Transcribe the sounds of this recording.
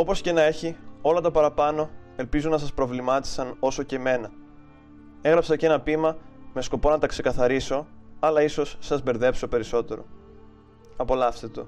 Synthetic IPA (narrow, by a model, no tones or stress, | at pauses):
o̞po̞sce̞nɐe̞çio̞lɐt̪ɐpɐɾɐpɐno̞e̞lpizunɐsɐspɾo̞vlimɐt̪i̥sɐno̞so̞ce̞me̞nɐ | e̞ɣɾɐpsɐce̞nɐpimɐme̞sko̞po̞nɐt̪ɐkse̞kɐθɐɾiso̞ɐlɐiso̞sːɐzbe̞ɾðe̞pso̞pe̞ɾiso̞t̪e̞ɾo̞̰ | ɐpo̞lɐfset̪o̞̰